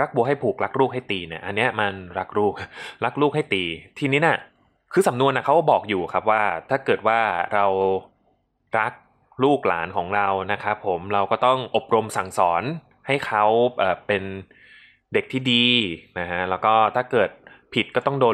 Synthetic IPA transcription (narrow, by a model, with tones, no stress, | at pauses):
ɾa˦˥k̚bu˧ɦa˥˩jpʰuː˨˩k̚ɾa˦˥k̚ɾuː˥˩k̚ha˥˩jt̪iː˧ni˦˥˩ɐʔa˧nːi˦˥ɐma˧nɾa˦˥k̚ɾuː˥˩k̚ɾa˦˥k̚ɾuː˥˩k̚ha˥˩jt̪iː˧t̪ʰiː˧niː˦˥na˧˥˩ | kʰɯː˧sa˩˦mnu˧ənʔa˦˩kʰa˦˥wkbɔː˨˩k̚juː˨˩kʰa˦˥p̚waː˥˩t̪ʰaː˥˩kɤː˨˩t̪̚waː˥˩ɾa˧w | ɾa˦˥k̚ | ɾuː˥˩k̚la̰ː˩˦nkʰɔː˩˦ŋɾa˧wna˦˥kʰa˦˥pʰːo˩˦mɾa˧wkɔː˥˩t̪ɔ˥˩ŋʔo˨˩p̚ɾo˧msa˨˩˦ŋsɔː˩˦n | ha˥˩jkʰa˦˥wbaː˨˩pːe˧n | de˨˩k̚t̪ʰiː˥˩diː˧na˦˥kʰa˦˥lɛː˦˥wkɔː˥˩t̪ʰaː˥˩kɤː˨˩t̪̚pʰi˨˩t̪̚kɔː˥˩t̪ɔ˥˩ŋdoː˧